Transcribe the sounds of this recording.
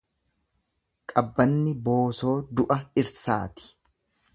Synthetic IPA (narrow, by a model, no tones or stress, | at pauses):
kʼɐbːɐnːɪbo̞ːso̞ːd̪ʊʔɐɪɾsa̰ːt̪ɪ̥